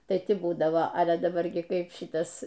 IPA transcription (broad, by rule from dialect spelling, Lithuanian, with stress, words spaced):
ˈtɐɪ ˈtʲɪ ˈbuːdɐʋoː ɐlʲɛ ɐ dɐˈbɐr ɡʲɪ ˈkɐɪp ˈʃʲɪtɐs